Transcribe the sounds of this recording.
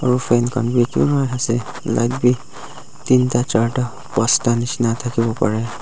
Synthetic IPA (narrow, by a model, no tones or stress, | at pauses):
ɔɹupʰenkʰɔnbikḭɾatʰasɛ | la̰jt̚bi | tintat͡ʃaɹʈa | pɔstanisnatʰakibɔpa̰ɹɛ